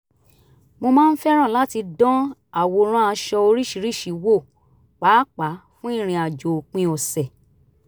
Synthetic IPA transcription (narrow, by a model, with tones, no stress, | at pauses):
mo˧mãː˦˧n̩˦fɛ˦ɾ̃ã˦˨la˦ti˧dɔ̃˦a˨wo˧ɾ̃ã˦a˧ʃɔ˧o˧ɾi˦˨ʃi˨˦ɾi˦˨ʃi˨˦wo˦˨ | k͡paː˨˦k͡pa˨˦fũ˦i˦˨ɾ̃ĩ˧a˨d͡ʒo˨k͡pĩ˦˧o˧˨sɛ˨